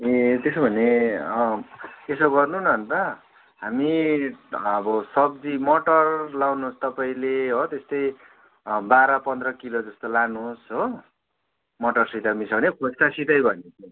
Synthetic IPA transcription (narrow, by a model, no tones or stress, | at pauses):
et̪esobʱʌneʌesoɡʌrnunʌnt̪ʌ | ɦami | ʌbʌsʌb̚d͡zimʌʈʌrlawnust̪ʌpaĩleɦot̪est̪ʌj | baɾʌpʌnd̪rʌkilod͡zʌst̪olanusɦo | mʌʈʌrsit̪amisʰʌbʌnekʰod͡zkasit̪ʌjbʱʌnet̪ʰ